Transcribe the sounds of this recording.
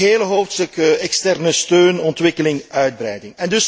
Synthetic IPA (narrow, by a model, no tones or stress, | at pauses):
eːləɦoːwftstəkəɛkstɛrnəstøːnɔntʋɪkəlɪŋœɥd̚bɾɛjdɪŋɛndʏs